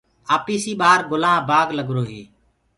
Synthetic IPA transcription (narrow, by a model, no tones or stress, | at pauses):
aːpiːsiːɓaːɾɡʊlãːbaːɡləɡɾoːɦeː